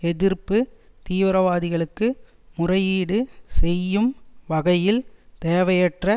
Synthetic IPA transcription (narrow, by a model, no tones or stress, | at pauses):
ɛðɪrpːɯ | t̪iːʋɪɾɐʋaːðɪɣɐɭɯkːɯ | mʊrɐjiːɽɯsɛjːɯmʋɐɣɐjɪlt̪eːʋɐjɛʈrɐ